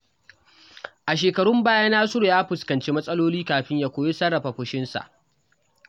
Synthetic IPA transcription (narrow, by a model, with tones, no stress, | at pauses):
ʔa˨ʃ̬eː˨kɐ˨ɽʊ˦mbaː˦jaː˦naː˦sʊ˦ɽo˨jaː˦ɸʊ˨skɐ˨nt͡ʃeː˦mɐ˦sʼɐ˦loː˦liː˦kaː˨ɸɪ˦ɲjaː˦kʷoː˦je˦sɐ˦ɽɐ˨ɸa˨ɸʊ˦ʃɪ˦nsa̰˨ʔ